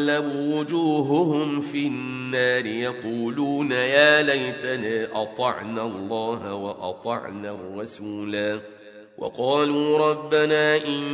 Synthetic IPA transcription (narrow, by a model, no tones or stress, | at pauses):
lːabuːwʊd͡ʒuːɦʊhʊmfinːaːɾɪjɑquːluːnajaːlajt̪anaːʔɑt̪ˤɑʕnalˤːɑːɦawɑʔɑ̰t̪ˤɑ̰ʕnarˤːɑsuːlaː | wʔɑ̰qɑːluːɾˤɑbːanaːʔɪn